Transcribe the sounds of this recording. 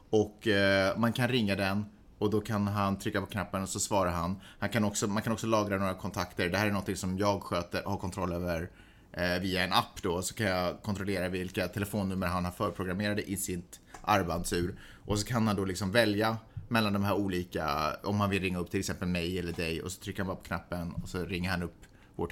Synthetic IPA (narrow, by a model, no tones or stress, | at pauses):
ɔkːmankʰanɾɪŋːad̪ɛn | ɔd̪ɔkʰanɦant̪ʰɾʏkːapʰɔ̥kʰnapːənɔsɔsvɑːɾaɾɦanhankʰanɔksɔmankʰanɔksɔlɑːɡɾanoːɾakʰɔnt̪ʰakt̪əɖ̪ɛhæːɾænɔnt̪ʰɪŋsɔmjɑːɡɧøːt̪əɾhaɾkʰɔnt̪ʰɾɔlːøːvəɾ | viːaɛnapːd̪ɔsɔ̥kʰanjɑkʰɔnt̪ɾɔleːɾavɪlkat̪ʰɛlɛfoːnːɵmːəɾɦanhaɾfœːɾpʰɾʊɡɾameːɾad̪əʔɪsɪnt̪ʔaɾband̪sʉ̟ːɾ | ʔɔs̬ɔkʰanhand̪ɔlɪksɔmvɛljamɛlːand̪ɔmɦæːɾuːliːka̰ɔmhanvɪlɾɪŋːaɵp̚ːt̪ʰɪlɛksɛmpəlmɛjɛlːəɖɛjɔ̰sɔ̥t̪ʰɾʏkːhanbɑɾapʰɔkʰnapːənɔ̰sɔɾɪŋːəɾhanɵpː | vo̰ːʈ